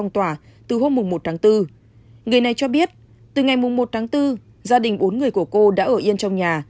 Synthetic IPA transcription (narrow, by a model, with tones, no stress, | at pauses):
wŋ͡mt̪waː˧˩t̪ɨ˨˩ɦo˧mːʊ˨˩ŋ͡mmo˨˩t̪ʰaː˨˦ŋt̪ɨ˧ | ŋɨ˨˩əjna˨˩jt͡ɕɔ˧ɓi˦˥ət̚ | t̪ɨ˨˩ŋa˨˩jmʊ˨˩ŋ͡mmo˨˩t̚t̪ʰaː˨˦ŋt̪ɨ˧ | zaː˧ɗï˨˩ŋ̟ɓo˨˦nŋɨ˨˩əjku˧˩əko˧ɗa̰ː˧˥ʔəː˧˩ʔi˧ənt͡ɕɔ˧wŋ͡mɲaː˨˩